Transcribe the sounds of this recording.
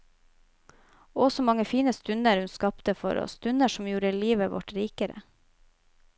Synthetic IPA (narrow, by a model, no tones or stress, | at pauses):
ɔsɔmɑŋəfiːnəst̪ʉnəɾhʉnskɑpt̪əfɔ̰ɾɔ̰st̪ʉnəʃɔmjuːɾəliːʋəʋɔ̰ʈɾiːkəɾə̰